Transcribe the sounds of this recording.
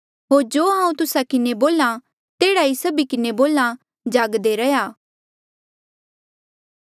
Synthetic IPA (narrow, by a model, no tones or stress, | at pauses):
ɦoːɾd͡ʒoːɦãːũt̪ʊsakɪneboːla | t̪eːɽaisɐbikɪneboːla | d͡ʒaːɡd̪eɾɐjaː